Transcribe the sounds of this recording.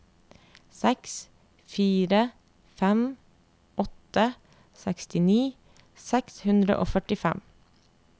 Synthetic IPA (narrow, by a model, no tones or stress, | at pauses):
sɛks | fiːɾə | fɛm | ɔt̪ə | sɛkst̪ɪniː | sɛkshʉnd̪ɾə̰ʔo̰ːfœʈɪfɛ̰m